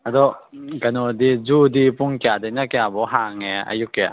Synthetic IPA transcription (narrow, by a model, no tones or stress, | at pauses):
ʔad̪ɔkanɔd̪izudipʊŋkjad̪ɛnakɛabɔɦaŋɛa̰jukːɛa̰